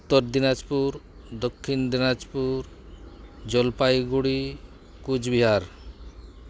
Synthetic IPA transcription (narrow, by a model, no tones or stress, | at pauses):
ut̪ːɔɾd̪inad͡ʒpuɾ | d̪ɔkʰːind̪inad͡ʒpuɾ | d͡ʒɔlpajɡuɽi | kud͡ʒbiɦaɾ